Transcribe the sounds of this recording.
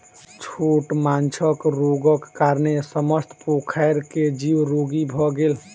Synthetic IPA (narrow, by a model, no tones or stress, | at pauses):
t͡ʃʰoʈmant͡ʃʰəkɾoɡəkːaɾnesəməst̪ʰpokʰaɪɾked͡ʒiwɾoɡibʱɔɡel